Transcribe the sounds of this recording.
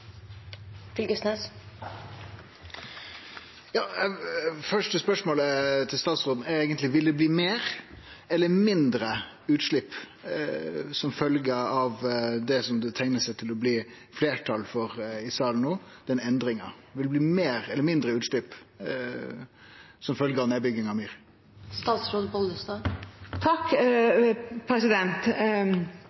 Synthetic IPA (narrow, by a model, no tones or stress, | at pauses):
fɪlɡʉst̪nɛs | jɑː | fœʂʈəspœʂmoːlət̪ʰɪlst̪ɑːt̪sʁoːd̪n̩ɛɾeːɡənt̪lɪʋɪld̪ɛbliːmeːɾ | ɛlːəmɪnd̪ɾə | ʉːt̪ʂɭɪpː | sɔmfœlɡəɑʋd̪ɛsɔmd̪ɛt̪ʰæŋnəsɛɪt̪ʰɪlɔbliː | fleːʈʰɑlfɔɾɪsɑːlənoːd̪̥ɛnɛnd̪ɾɪŋɑ | ʋɪlɛbliːmeːɾɛlːəmɪnd̪ɾəʉːt̪ʂɭɪpː | sɔmfœlɡəɾɑʋneːbʏɡɪŋɑʋmyːɾ | st̪ɑːsɾoːd̪̩pɔləst̪ɑt̪ʰɑkː | pʰɾɛsɪd̪ɛnt̪